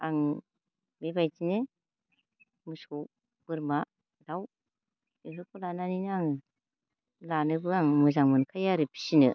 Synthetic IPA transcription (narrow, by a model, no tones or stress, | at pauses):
aŋ | bebajtinɯ | mɯsow | b̥ɯɾma | d̥aw | eɦɯkʰɯlananinɯaŋɯ | lanɯbɯaŋmɯzaŋmɯnkʰajaɾɯpʰi̥sinɯ